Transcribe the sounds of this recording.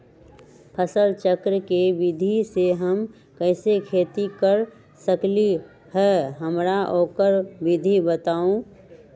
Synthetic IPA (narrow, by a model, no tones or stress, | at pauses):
pʰəsəlt͡ʃəkɾəkeʋɪd̪ʱiseɦəm | kɛːsekʰeːt̪ikəɾ | səkli | hɛːɦəmɾaʔoːkəɾbɪd̪ʱibət̪aːõ